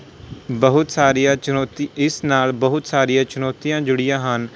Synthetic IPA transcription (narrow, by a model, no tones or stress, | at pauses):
bəɦʊt̪saːɾijãːt͡ʃʊnɔːt̪iɪsnaːlbəɦʊt̪saːɾijãːt͡ʃʊnɔːt̪ijãːd͡ʒʊɽɪjãːɦən